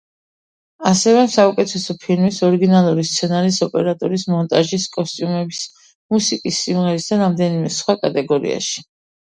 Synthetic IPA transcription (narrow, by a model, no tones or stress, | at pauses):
asɛvɛsaukʼɛt̪ʰɛsɔpʰilmisɔɾiɡinalˠuɾist̪sʰɛnaɾisɔpʼɛɾat̪ʼɔɾismɔnt̪ʼaʒiskʼɔst̪ʼjumɛbis | musikʼisːimʁɛɾisd̪aɾamd̪ɛnimɛsχwakʼat̪ʼɛɡɔɾḭa̰ʃi̥